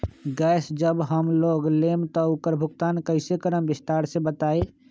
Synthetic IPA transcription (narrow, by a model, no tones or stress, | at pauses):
ɡɛːsd͡ʒəbɦəmloːɡlemt̪ɔukəɾbʱʊɡt̪aːnkəɪsekəɾəmbɪst̪aːɾsẽbət̪aːe